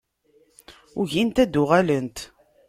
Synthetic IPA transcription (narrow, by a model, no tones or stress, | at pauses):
ʊʝint̪æd̪ːʊʁælənt̪